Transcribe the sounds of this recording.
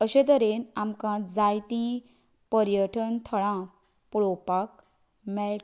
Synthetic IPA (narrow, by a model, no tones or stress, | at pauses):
əɕẽt̪əɾenamkãd͡zajt̪ĩ | pəɾjəʈʰənt̪ʰəɭã | puɭopak̚ | mɛlʈ